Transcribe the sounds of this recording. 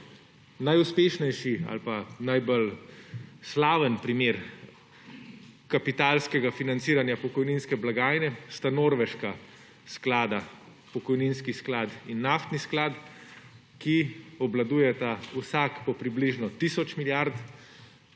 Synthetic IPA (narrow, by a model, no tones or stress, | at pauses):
najuspeːʃnɛjʃia̰lpanajbəl | slaːʋənpɾimeːɾ | kapit̪aːlskɛɡafinant̪siːɾanjapɔkɔjninskɛblaɡaːjnɛst̪anoːɾʋɛʃka | sklaːd̪a | pɔkɔjninskisklaːd̪inːaft̪nisklaːt̪ | kiɔblad̪uːjɛt̪ausakpɔpɾibliʒnɔt̪isɔt͡ʃmiljaɾt̪